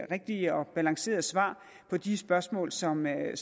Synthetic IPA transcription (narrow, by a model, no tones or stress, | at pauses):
ʁeɡ̥̚d̥iəɒ̽b̥ælɑ̈ŋse̝̰ːɐð̩ˠsʋɑ̰̈ː | pʰɒ̽d̥isb̥ɶɐsmɔ̰̽ːlsɒ̽m